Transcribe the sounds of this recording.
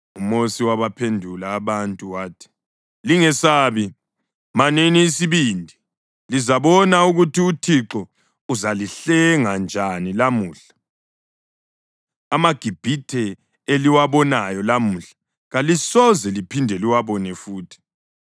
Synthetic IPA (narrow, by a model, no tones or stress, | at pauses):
umosiwaβapʰendʱulaːβantʼuwaːtʰi̥ | liŋɛsaːβi | maneniːsiβiːndʱi | lizaβɔnauɣutʰiutʰiǁɔ | uzaliɬɛŋand͡ʒʱanilamuːɬḁ | amaɡ̥ʱib̥ʱitʰɛ | eliwaβɔnajɔlamuɬḁ | ɣalisɔzɛlipʰindʱɛliwaβɔnɛfuːtʰi̥